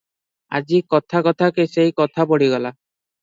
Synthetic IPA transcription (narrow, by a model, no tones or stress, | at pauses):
a̰d͡ʒikɔt̪ʰakɔt̪ʰakesejkɔt̪ʰapɔɽiɡɔla